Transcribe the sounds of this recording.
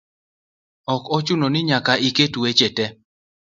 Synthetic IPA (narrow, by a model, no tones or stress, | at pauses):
ɔkɔt͡ʃʊnonɪɲakaʔiketuwet͡ʃetɛ